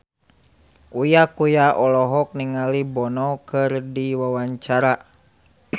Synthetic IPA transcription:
ujakujaʔɔlɔɦɔk̚niŋalibɔnɔkɨrdiwawaɲt͡ʃaɾa

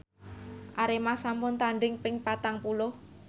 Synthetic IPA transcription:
ʔaɾemasampʊnt̪aɳɖɪŋpɪŋpat̪aŋpulʊh

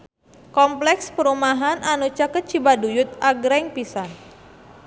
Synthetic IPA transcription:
kɔmplɛkspəɾumaɦanʔanut͡ʃakət͡ʃibadujʊt̪̚ʔaɡɾɛŋpisan

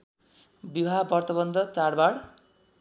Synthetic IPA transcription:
bibʱabʌrt̪ʌbʌnd̪ʱʌt͡saɽbaɽ

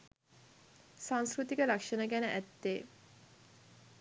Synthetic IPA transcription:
sãŋskɾut̪ikəɾakʂənəɡænəʔæt̪ːeː

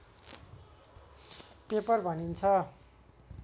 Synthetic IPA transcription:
pepʌrbʱʌnint͡sʰʌ

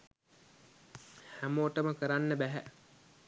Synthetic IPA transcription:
hæmoːʈəməkəɾanːəbæɦæ̰

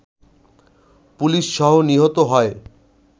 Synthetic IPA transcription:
puliʃʃɔɦoniɦot̪oɦɔe

